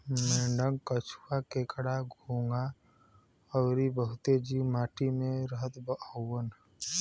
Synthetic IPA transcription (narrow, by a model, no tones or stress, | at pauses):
meːɳɖəŋɡkət͡ʃʰwakeːkɽaɡʱuːŋɡa | əwɾibəɦʊt̪ed͡ʒiwmaːʈimẽɾəɦət̪bəʔəwən